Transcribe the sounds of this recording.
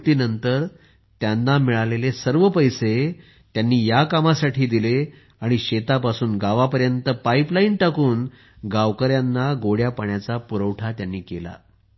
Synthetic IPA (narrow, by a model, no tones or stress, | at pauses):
t̪iːnənt̪əɾ | t̪janːamiɭalelesəɾʋəpəjse | t̪janːiːjakamasaʈʰiːd̪ile | aɽ̃iɕet̪apasuːnɡaʋapəɾjənt̪əpaiplainʈakuːn | ɡaʋkəɾjanːaɡoɽjapaɳjat͡sapuɾəʋʈʰat̪janːiːkela̰